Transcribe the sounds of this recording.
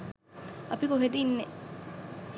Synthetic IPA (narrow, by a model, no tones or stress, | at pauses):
ɐpikoɦed̪inːe